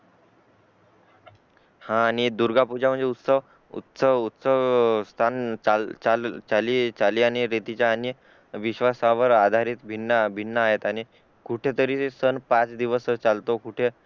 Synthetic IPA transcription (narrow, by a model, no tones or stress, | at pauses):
hãːɽ̃id̪uɾɡapud͡ʑam̤əɳd͡zeut̪səʋ | ṵt̪səʋut̪səʋst̪ʰant͡sat͡salt͡saliːt͡saliːaɽ̃iɾet̪it͡ɕjaːnjə | ʋiɕʋasaʋəɾad̪ʱaɾiːt̪bʱinːəbʱinːəaɦet̪aɽ̃i | kuʈʰet̪əɾiːsənpat͡sd̪iʋəst͡salt̪okuʈʰe